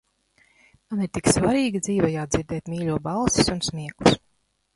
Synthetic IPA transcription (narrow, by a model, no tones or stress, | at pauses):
maniɾt̪iksvaɾiːɡid̪ziːvajaːd̪ziɾd̪ɛːt̪mʲiːlʲuɔbalˠsi̥sunsmiɛklˠus